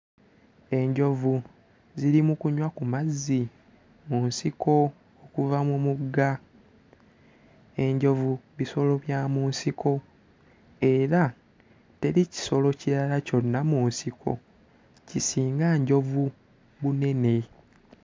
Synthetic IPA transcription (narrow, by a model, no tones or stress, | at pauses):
e̞ɲɟo̞vu | ziɾimukuɲwakumazːi | muːnsiko̞ | okuvamumuɡːa | e̞ɲɟo̞vuβiso̞lo̞βjaːmuːnsikʰo̞ | e̞ɾa | te̞ɾici̥so̞lo̞ciɾalaco̞nːamunsikʰo̞̰ | cisiːŋɡaɲɟo̞vu | βune̞ne̞